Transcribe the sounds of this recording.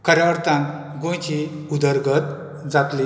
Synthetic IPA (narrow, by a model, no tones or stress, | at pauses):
kəɾjaʋɾt̪ãn | ɡõjt͡ɕi | ud̪əɾɡət̪ | d͡zat̪li